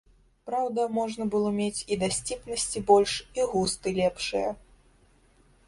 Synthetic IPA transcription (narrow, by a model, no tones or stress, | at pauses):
pɾawd̪ɐmɔʐnɐbɨlˠɔmʲet͡sʲid̪asʲt͡sʲipnɐsʲt͡sʲibɔlʲʂiɣust̪ɨlʲɛpʂɨjɐ